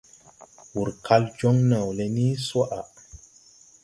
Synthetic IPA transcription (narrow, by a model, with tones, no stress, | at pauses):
wu˨ɾkʰa˦ld͡ʒɔ˦ŋna˨wle˨ni˦sɔ˦ʔa˨